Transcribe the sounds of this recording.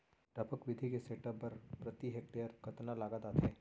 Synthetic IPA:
ʈɐpəkʋɪd̪ʱikeseːʈəbpɐɾpɾɐt̪iɦek̚ʈejəɾkɐt̪nalaːɡad̪at̪ʰɛː

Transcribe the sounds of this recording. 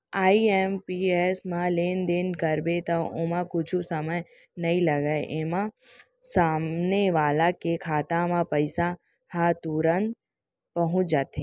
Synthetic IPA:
aːiempiesmãleːnd̪enkɐɾbet̪ɐʊmãkʊd͡ʒʰũsɐməj | nɐĩlɐɡaʔemã | saːmneʋaːlãkekʰaːt̪ãmãpɐɪsa | hãt̪uɾə̃nt̪̚ | pɐɦʊ̃t͡ʃd͡ʒaːt̪ẽː

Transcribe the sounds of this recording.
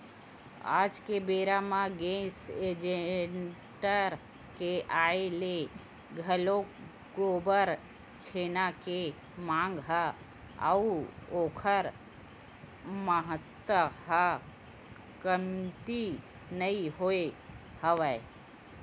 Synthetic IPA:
a̰ːd͡ʒkebeːɾamãɡẽsed͡ʒeɳʈəɾ | keʔaːele | ɡʱəlo | ɡobəɾ | t͡ʃʰenake | mãːŋɡɦə | ə̰uoːkʰəɾ | məɦət̪wəɦa | kəmt̪i | nəiɦoe | həʋəe

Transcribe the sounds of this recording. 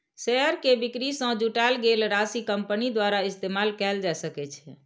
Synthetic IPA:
sɛəɾkebikɾisə̃d͡ʒuʈalɡelɾasikəmpənid̪waɾaist̪emalkɛld͡ʒaesəkɛt͡ʃʰɛ

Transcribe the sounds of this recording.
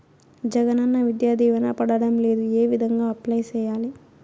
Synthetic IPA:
d͡ʒɛɡɐnɐnːɐʋid̪jaːd̪ʱiːʋɐnɐpɐɽɐɽɐmleːd̪ueːʋid̪ʱɐŋɡaːɐplɐjt͡ʃɛːjaːli

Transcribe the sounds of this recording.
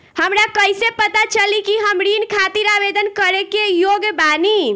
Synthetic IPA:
həmɾakəjsepət̪at͡ʃəlikiɦəmɾinkʰat̪iɾabed̪ənkəɾekejoɡbani

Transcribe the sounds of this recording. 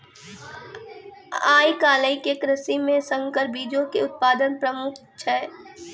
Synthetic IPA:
aːikaːləikekɾəsimːẽsə̃ŋɡkəɾbiːd͡ʒõkeʊt̪̚paːd̪ənpɾəmʊkʰt͡ʃʰɛː

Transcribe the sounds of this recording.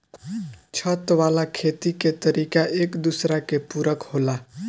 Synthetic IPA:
t͡ʃʰət̪ʋalakʰet̪iket̪əɾikaʔekd̪usɾakepuɾəkhola

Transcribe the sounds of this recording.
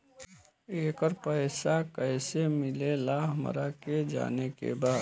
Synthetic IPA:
eːkəɾpəɪsakəɪsemɪlelaːɦmə̰ɾaked͡ʒa̰ːnekḛbaːd̪

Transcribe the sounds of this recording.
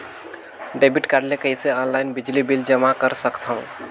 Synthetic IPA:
ɖebiʈkaːɾɖlekəɦiseɔːnlaɪnbid͡ʒlibild͡ʒəmakəɾsəkt̪ʰũ

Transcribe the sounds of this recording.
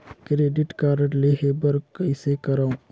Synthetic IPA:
kɾeːɖɪʈkaːɾəʈleɦebəɾkəsekɐɾaũ

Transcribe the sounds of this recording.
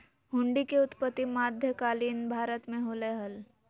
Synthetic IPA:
ɦʊ̃ɳɖikeʊt̪pət̪ːimaːd̪ʱjəkaːliːnbʱaːɾət̪mẽɦoːleɦəl

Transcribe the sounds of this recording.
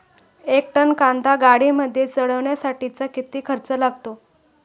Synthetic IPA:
ek̚ʈənkãnd̪ʱaɡaɽiməd̪ʱjet͡səɽəʋɳjasaʈit͡sakit̪iːkʰəɾt͡səlaɡ̚t̪o

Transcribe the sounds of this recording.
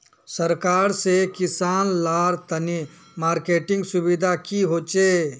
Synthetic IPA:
səɾkaːɾsekɪsaːnlaːɾt̪əni | maːɾkeːʈɪ̃ŋɡsʊbid̪ʱakiɦoːt͡ʃe

